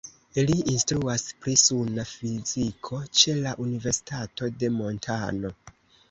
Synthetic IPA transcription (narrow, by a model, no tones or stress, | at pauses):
liʔinstɾuaspɾisunafizikʰo̞t͡ʃe̞laʔunive̞ɾsi̥tato̞de̞mo̞ntʰa̰no̞